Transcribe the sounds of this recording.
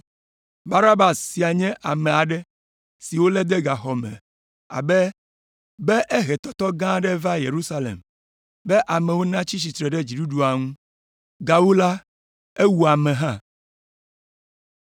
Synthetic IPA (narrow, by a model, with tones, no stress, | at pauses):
ba˦na˦ba˨sːi˨a˨ɲɛ̃˦ʔa˨mɛ̃˨a˨ɖɛ˦ | si˨wo˦lɛ˦d̪ɛ˦ɡa˨xɔ˨mɛ̰̃˨ | a̰˨bɛ˦ | bɛ˦ʔe˦ɦɛ˨t̪ɔ˨t̪ɔ˦ɡã˦ɖɛ˦va˦je˨ɾu˦sa˦lḛ˨m | bɛ˦ʔa˨mɛ̃˨wo˦nã˦t͡ɕi˦t͡ɕi˨t̪ɾɛ˨ɖɛ˦d͡ʑi˨ɖu˦ɖu˨a˨ŋũ˦ | ɡa˨wo˦la˦ | e˦wu˨a˨mɛ̃˨ɦã˦